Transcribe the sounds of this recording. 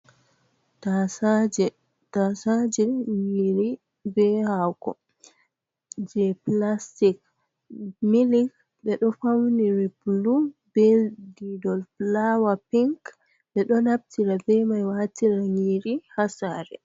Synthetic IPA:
tad͡ʒɛ | tasad͡ʒɛŋiɾi | bɛhakɔ̰ | d͡ʒɛplastik | milik | ɓɛɗɔfawniɾiblubeldidɔlflawapiŋk | ɓɛɗɔnab̚tiɾabɛmajwatiɾaŋiɾihasaɾɛ̰

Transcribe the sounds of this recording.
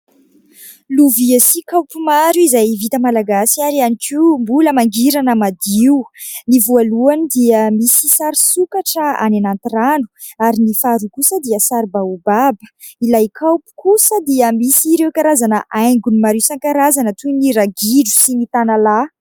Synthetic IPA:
luviasikawpumaɾjuizajvit̪əmalaɡasiaɾianikʰiumbuləmaŋɡiɾanəmad̪iwnivualuanid̪iəmisisaɾisukaʈ͡ʂəa̰nanant̪iranu̥ | aɾinifaɾukusəd̪iəsaɾbaubabə̥ | ilajkʰawpi̥kusəd̪iəmisiɾewkaɾazanəʔajŋɡunimaɾiwsaŋkaɾazanət̪uniɾaɡiɖ͡ʐu̥sinit̪anala

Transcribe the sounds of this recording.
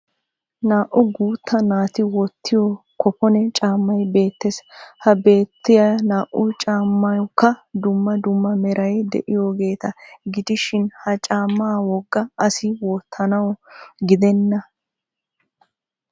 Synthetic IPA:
naːʔʊɡuːt̪ʰːɐnaːt̪ɪwɔt̪ːɪjɔ | kɔpɔnɛt͡ʃʼaːmːɐjbe̞ːt̪ːeshɐbe̞ːt̪ːɪjɐnaːʔʊt͡ʃʼaːmːɐjɔkːɐd̪ʊmːɐd̪ʊmːɐmɛɾɐjd̪ɛ̰ʔɪjoːɡe̞ːt̪ɐɡɪd̪ɪʃɪnhɐt͡ʃʼaːmːaːwɔɡːɐɐsɪwɔːt̪ʰːɐnɐwɔɡɪd̪ɛnːɐ

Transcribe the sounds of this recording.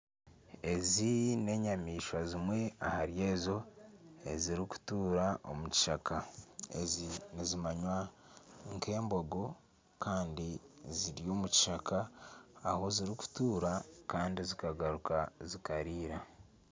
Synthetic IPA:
e̞zine̞ɲamiːʃwazimwe̞ahaɾje̞ːzo̞ḛziɾiku̥tuːɾaʔo̰muci̥ʃakaḛzinizimaɲwa | ŋkʰe̞ːmbo̞ɡo̞ | kaːndiziɾjo̞ːmuci̥ʃakaː | ho̞ziɾiku̥tuːɾakaːndizikaɡaɾukazikaɾiːɾa

